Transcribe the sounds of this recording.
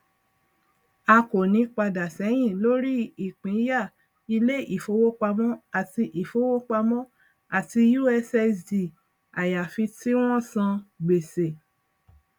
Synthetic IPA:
a˧ko˨nĩ˨˦k͡pa˧da˨sɛ˨˦j̃ĩ˦˨lo˦ɾi˦i˦˨k͡pĩ˨˦ja˦˨ | i˧le˦ʔi˦˨fo˨˦wo˦k͡pa˧mɔ̃˦a˨ti˧ʔi˨fo˨˦wo˦k͡pa˧mɔ̃˦ | a˨ti˧ju˦ɛ˧sɛ˧di˨ | a˨ja˨fi˧ti˦w̃ɔ̃˦˨sã˧ɡ͡be˨se˨

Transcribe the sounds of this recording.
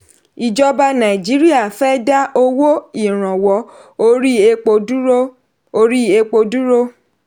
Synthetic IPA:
i˨d͡ʒɔ˦ba˧nã˨i˨d͡ʒi˨˦ɾi˦a˦˨fɛ˦da˦o˧wo˦i˦˨ɾ̃ã˨wɔ˨˦o˧ɾi˦e˧k͡po˧du˦ɾo˦ | o˧ɾi˦e˧k͡po˧du˦ɾo˦

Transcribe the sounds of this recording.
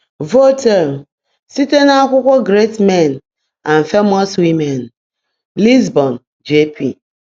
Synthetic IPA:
vo˦te˨m˨ | si˦te˦na˦kʷʊ˦kʷʊ˦ɡɾe˦tme˦˨n | a˨n̩˨fe˦mɔ˦swi˦mɛ˨n | li˦zbɔ˨n | d͡ʒe˦pḭ˨

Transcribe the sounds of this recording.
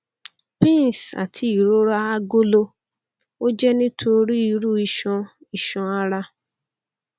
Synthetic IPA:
pĩ˦n˨sa̰˨tʰi˧i˨ɾo˦ɾa˦a˦ɡo˦lo˧ | o˦d͡ʒɛ˦nĩ˦tʰo˧ɾi˦i˧ɾu˦i˧ʃɔ̃˧ | i˨ʃɔ̃˧a˦ɾa˦

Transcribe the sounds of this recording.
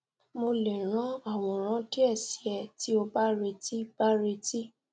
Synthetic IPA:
mo˧le˨ɾ̃ã˦a˦˨w̃ɔ̃˧˨ɾ̃ã˦ti˦ɛ˦˨si˨ɛ˧˨ti˨˦o˧ba˦ɾe˧ti˦ba˦ɾe˧ti˦

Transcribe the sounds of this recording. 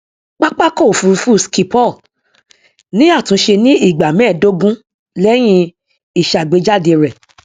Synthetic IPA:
k͡pa˦k͡pa˦kɔ˦˨fu˧ɾu˧fu˦˨ski˧pɔ˦˨ | nĩ˦a˦˨tũ˨˦ʃe˧nĩ˦i˦˨ɡ͡ba˨mɛ̃˦˨do˦ɡũ˦ | lɛ˦j̃ĩ˧ | i˦˨ʃa˨ɡ͡be˨˧˦d͡ʒa˦˨de˧ɾɛ˨

